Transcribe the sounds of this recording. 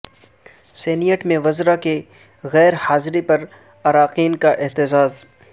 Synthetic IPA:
seːnijəʈmẽʋɐzɾake | ɣɛːɾhaːzɾipɐɾ | ɐɾaːqiːnkaʔɪɦt̪ɪzaːz

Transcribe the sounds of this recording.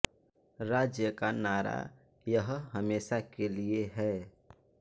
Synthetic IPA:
ɾaːd͡ʒjəkanaːɾa̰ | jəɦɦəmeːsakelieɦɛː

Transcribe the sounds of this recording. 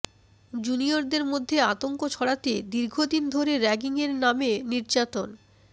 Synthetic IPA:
d͡ʑunioɾd̪eɾmod̪ʱːeat̪oŋkot͡ɕʰɔɽat̪ed̪iɾɡʱod̪ind̪ʱoɾeɾɛɡiŋeɾnameniɾd͡ʑat̪on

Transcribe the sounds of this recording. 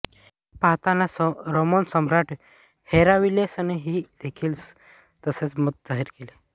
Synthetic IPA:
paɦt̪anasɾomonsəmɾaʈ | heɾaʋilesaneɦiːd̪̥ekʰiːls | t̪əset͡smət̪̚d͡zaɦiɾkele

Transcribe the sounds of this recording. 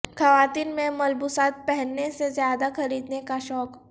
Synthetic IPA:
xɐʋaːt̪iːnmẽmɐlbusaːt̪̚pɛɦɛnːesezjaːd̪axɐɾiːd̪nekaʃɔːk

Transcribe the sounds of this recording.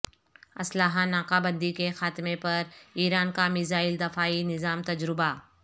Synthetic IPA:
ɐsləɦanaːqabə̃nd̪ikexaːt̪mepɐɾiːɾaːnkamɪzaːɪld̪ɐfaːinɪzaːmt̪ɐd͡ʒɾɪba

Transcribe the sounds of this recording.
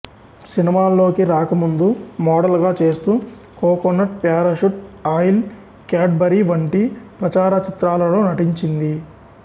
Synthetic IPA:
sinimaːlːo̞ːkiɾaːkɐmund̪umɔːɽɐlɡaːt͡ʃe̞ːst̪uː | kɔːkonːɐʈ̚pjaːɾɐʃuʈaːjl | kaːʈ̚bɐɾiʋɐɳʈipɾɐt͡ʃaːɾɐt͡ʃit̪ɾaːlɐloːnɐʈiɲt͡ʃind̪i

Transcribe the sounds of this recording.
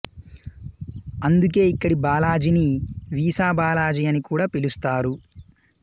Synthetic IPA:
ɐnd̪uk̬e̞ːikːɐɽibaːlaːd͡ʒiniʋiːsaːbaːlaːd͡ʒijɐnikuːɽaːpilust̪aːɾu

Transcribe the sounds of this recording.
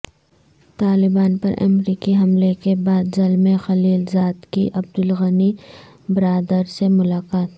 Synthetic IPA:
t̪aːlɪbaːnpɐ̰ɾʔɐ̰mɾiːkiɦɐmlekebaːd̪zɐlmẽxɐliːlzaːd̪kiʔɐbd̪ʊlɣɐni | bɪɾaːd̪əɾsemʊlaːkaːt̪

